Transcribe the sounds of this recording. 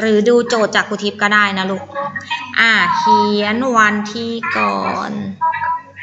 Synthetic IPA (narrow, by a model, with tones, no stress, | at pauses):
ɾɯː˩˦duː˧t͡ɕoː˨˩t̪̚t͡ɕaː˨˩k̚ʰːuː˧˩t̪ʰi˦˥p̚kɔː˥˩daː˥˩jna˦˥lu˦˧˩k̚ʔaː˧˩kʰi˨˧˦ənwa˧nt̪ʰiː˧kɔː˨˩n